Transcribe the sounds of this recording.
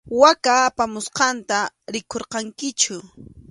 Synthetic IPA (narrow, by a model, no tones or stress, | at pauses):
wakaːpamʊsqɑnt̪aɾɪkʰoɾqɑŋkɪt͡ʃʊ